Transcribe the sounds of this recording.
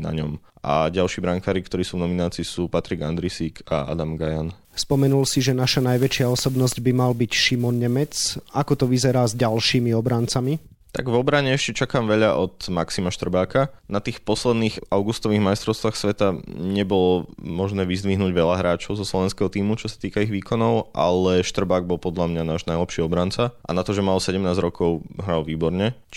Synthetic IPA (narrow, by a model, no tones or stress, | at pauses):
na̰ɲɔ̰mʔa̰ɟalʃiːbɾaŋkaːɾikt̪ɔɾiːsuːvnɔminaːt͡siːsuːpat̪ɾiɡa̰nd̪ɾisiːkʰa̰a̰d̪amɡajan | spɔmɛnulsiʒɛnaʃanajʋɛt͡ʃɪaɔsɔbnɔzɟbimalbicʃimɔnɲɛmɛt͡sakɔt̪ɔʋizɛɾaːzɟalʃiːmiɔbɾant͡sami | t̪a̰ɡʋɔbɾaɲɛɛʃcɛt͡ʃakaːmʋɛʎaʔɔt̪maksimaʃt̪r̩baːkanat̪iːxpɔslɛd̪niːxaʊɡust̪ɔʋiːɣmajst̪ɾɔʊst̪ʋaːxsʋɛt̪aɲɛbɔlɔmɔʒnɛːʋizd̪ʋiɦnuːɟʋɛʎaɦɾaːt͡ʃɔʊzɔslɔʋɛnskɛɦɔt̪iːmut͡ʃɔsḁt̪iːkaiɣʋiːkʰɔnɔʊʔa̰lɛʃt̪r̩baːɡ̚bɔlˠpɔd̪ʎamɲanaːʒnajlɛpʃiɔbɾant͡saʔa̰nat̪ɔʒɛmalsɛɟɛmnaːzɾɔkɔʊɦɾalʋiːbɔɾɲɛ